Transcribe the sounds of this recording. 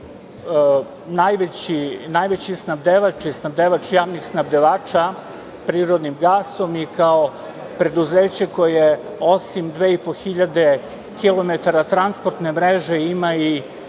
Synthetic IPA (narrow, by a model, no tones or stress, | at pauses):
najʋet͡ɕinajʋet͡ɕisnabd̪eʋat͡ʃisnabd̪eʋat͡ʃjaːʋnixsnabd̪eʋaːt͡ʃa | pɾiːɾo̞d̪nimɡaːso̞mikao̞ | pɾe̞d̪uzeːt͡ɕe̞ko̞je | o̞simd̪ʋeːipo̞xiʎad̪e̞ | kilˠo̞met̪aɾat̪ɾanspoɾt̪nemɾeʒeimai